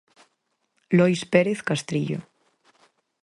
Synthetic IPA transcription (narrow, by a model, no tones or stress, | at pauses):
lojspeɾeθkast̪ɾiʎo̰